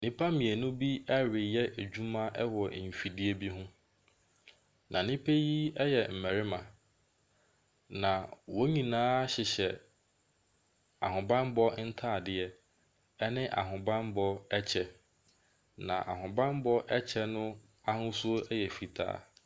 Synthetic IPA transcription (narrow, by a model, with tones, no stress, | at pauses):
nĩ˦pʰa˦mĩ˨ɛ˨nʊ̃˦bi˦ɛ˦ɾɪ˨jɛ˦ʔæ˨d͡ʑᶣu˦mã˦ʔɛ˦wɔ˨m̩˨fi˨dɪ˦ɛ˦bi˦ɦʊ̃˦ | nʔã̰˨nĩ˦pʰe˦ji˦ɛ˦jɛ˨m̩˨mɛ˨ɾɪ˦mã˨ | nã˨wo˦ɲĩ˨nãː˦ɕɪ˨ɕɛ˨ | a̰˨hʊ̃˨bã˦m˦bɔ˦n̩˦tʰa˦˨dɪ˦ɛ˦ | ɛ˦nɪ̃˦ʔa̰˨ɦʊ̃˨bã˦m˦bɔ˦ɛ˦t͡ɕʰɛ˦ | nã̰˨ʔa̰˨ɦʊ̃˨bã˦m˦bɔ˦ʔɛ˦t͡ɕʰɛ˦nʊ̃˦ | a˦hʊ̃˦sʊ˦o˦ɛ˦jɛ˨fi˨tʰa̰ː˦˨